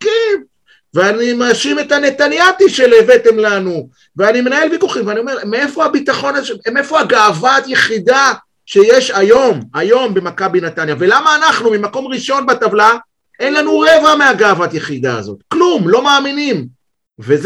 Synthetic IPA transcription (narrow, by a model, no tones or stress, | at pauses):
kɛn | veanimaʃime̞tane̞t̪anjatiʃelevetemlanu | veanime̞nae̞lvikuχimveanio̞me̞ʁmeefo̞abit̪aχo̞naemefoaɡaːvatjeχida | ʃe̞jeʃajo̞majo̞mbe̞makabinat̪anjave̞lamaːnaχnumimako̞mʁiʃo̞nbatavla | ʔe̞nlanuʁevameaɡaːvatjeχid̪a̰ːzo̞̰t̪klumlo̞maːminim | vez